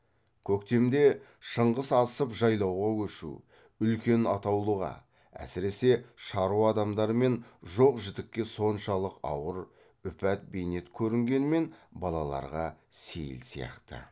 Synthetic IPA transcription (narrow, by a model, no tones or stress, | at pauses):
kʲʰɵkt̪e̞md̪e̞ | ʃəɴʁəsɑsəpʒɑjlˠɑwʁɑwɵʃṵ | ʏlkʲe̞nɑ̰t̪ɑwlˠuʁɑ̰ | æ̰sɪɾe̞se̞ʃɑɾuɑd̪ɑmd̪ɑɾme̞nʒo̞qʒɪd̪ɪkʲːe̞so̞nʃɑlˠəqɑ̰wəɾ | ʏpæt̪̚bejne̞t̪kʲʰɵɾɪŋɡʲe̞nme̞nbɑlˠɑlˠɑ̰ɾʁɑse̞̰jɪ̰lsijɑ̰qt̪ə̰